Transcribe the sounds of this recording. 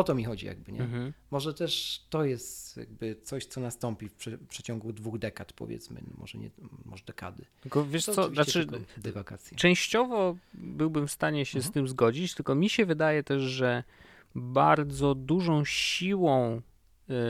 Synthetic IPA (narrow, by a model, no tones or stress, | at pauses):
ɔt̪ɔmʲixɔd͡ʑḭja̰ɡ̚bɘɲɛɦ̩mɔʐɛt̪ɛʂt̪ɔjɛst̪ja̰ɡ̚bɘt̪sɔɕt̪sɔnast̪ɔmpʲifpʂɛpʂɛt͡ɕɔŋɡud̪vuɣd̪ɛkat̪pɔ̰vʲjɛ̰t̪smɘ̰mɔ̰ʐɛ̰ɲɛ̰mɔ̰ʐd̪ɛka̰d̪ɘ | ɡɔvʲjɛʂsɔnat͡ʂɘd̪ɛvakat̪sʲjt͡ʂɛ̃w̃ɕt͡ɕɔvɔbɘwbɘmfst̪aɲɛɕɛst̪ɘmzɡɔd͡ʑit͡ɕt̪ɘlkɔmʲiɕɛvɘd̪ajɛt̪ɛʐʐɛ | baɾd̪zɔd̪uʐɔ̃w̃ɕiwɔ̃w̃